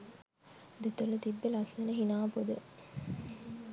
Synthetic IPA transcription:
d̪et̪olət̪ibːelɐsenəɦinaːpod̪ə

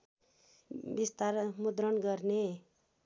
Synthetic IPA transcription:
bist̪aɾmud̪ɾʌnɡʌɾne

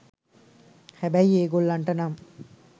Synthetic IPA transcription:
hæbæjieːɡolːɐɳʈɐnam

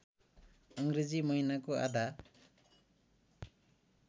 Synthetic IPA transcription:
ʌŋɡɾed͡zimʌɦinakoa̰d̪ʱa

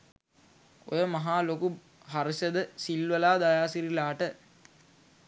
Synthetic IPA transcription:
o̰jəmaɦaːloku | ɦaɾəsəd̪əsilʋəlaːd̪ajaːsiɾilaːʈə

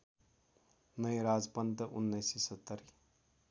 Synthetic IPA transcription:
nʌjɾad͡zpʌnt̪ʌʔunːʌjsisʌt̪ːʌɾi

